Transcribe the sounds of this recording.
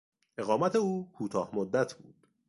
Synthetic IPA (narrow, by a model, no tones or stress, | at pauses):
ʔe̞ɣɒːmæt̪ʰe̞uːkʰuːt̪ʰɒːhmod̪ːæt̪ʰb̥uːd̪̥